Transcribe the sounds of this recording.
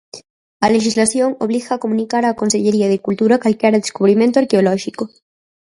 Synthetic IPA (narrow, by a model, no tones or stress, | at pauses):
aleʃizlaθjo̞ŋoβ̞liɣaːkomũnikaɾako̞nseʎeɾiað̞ekult̪uɾakalkjaɾad̪eskuβ̞ɾimjent̪oaɾkeoloʃiko